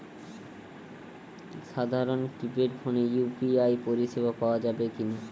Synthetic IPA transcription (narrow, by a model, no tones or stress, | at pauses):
ʃad̪ʱaɾonkɾipeʈbʰʱonejupiajpoɾiʃebʱapaoad͡ʑabekina